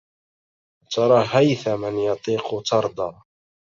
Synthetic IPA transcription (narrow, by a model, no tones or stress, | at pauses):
t̪ʰɑɾˤɑːɦajθamɪnjɑt̪ˤiːqʊt̪ʰɑɾˤd̪ɑː